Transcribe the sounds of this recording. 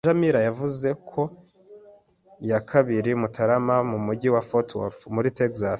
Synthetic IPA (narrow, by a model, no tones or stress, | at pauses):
ʒamiɾajavuze̞kʰo̞ | ijakʰaβiɾimutʰaɾamamumuɟiwafotwo̰fmuɾitekzas